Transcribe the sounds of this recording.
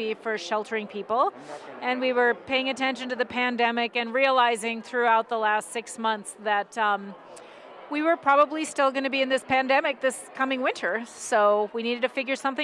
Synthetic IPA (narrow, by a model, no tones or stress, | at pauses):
ifə˞ʃɛlˠtʰə˞ɪ̃ŋpʰipl̩ˠ | ɨ̃nwiwə˞pʰeɪɪ̃ŋɨtʰɛ̃nʃɨ̃n̩tɨðɨpʰæ̃ndɛmɪkɨ̃nɹiəlaɪzɪ̃ŋθɹʉaʊt̪̚ðəlæstsɪksmʌ̃nθsðɨt̚ | wiwə˞pʰɹ̥ɑbəblistɪlˠɡʌñɨbiɨ̃nðɪspʰæ̃ndɛmɨk̚ðɪskʰʌmɪ̃ŋwɪ̃ntʰə˞soʊwiniɾɨd̚tɨfɪɡjə˞sʌ̃mθɪ̃